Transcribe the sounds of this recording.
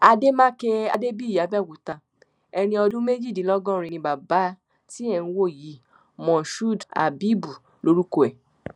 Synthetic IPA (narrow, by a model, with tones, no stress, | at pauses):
a˧de˦mãː˦ke˧a˧de˦bi˦˨ja˨˦bɛ˦˨wu˨ta˧ | ɛ˧ɾ̃ĩ˧ɔ˧dũ˦me˦d͡ʒi˦˨dĩ˨˦lɔ˦ɡɔ̃˦˨ɾ̃ĩ˧nĩ˧ba˨ba˨˦ | ti˦ɛ˦˨nũ˧wo˦˨ji˨˦ | mɔ̃˨ʃu˦˨da̰˨bi˨˦bu˨ | lo˦ɾu˦ko˧ɛ˨